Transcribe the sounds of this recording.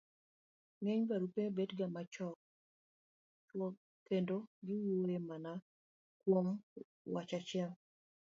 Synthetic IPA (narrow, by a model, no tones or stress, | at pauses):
ŋɛɲbaɾupebedɡamat͡ʃɔk̚ | t͡ʃwɔ | kendoɡɪwoemana | kwom | wat͡ʃat͡ʃɪɛl